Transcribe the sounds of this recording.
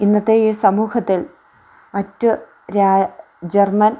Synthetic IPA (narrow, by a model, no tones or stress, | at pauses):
inːɐt̪ːejiːsɐmuːhɐt̪ːil | mɐtːɨ | ɾaː | d͡ʑermɐn